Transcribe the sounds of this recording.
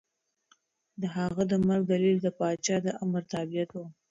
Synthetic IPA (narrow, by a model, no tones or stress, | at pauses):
d̪əɦaɣad̪əmaɾɡ̚d̪alild̪əpɑt͡ʃɑd̪əʔaməɾt̪abijat̪wu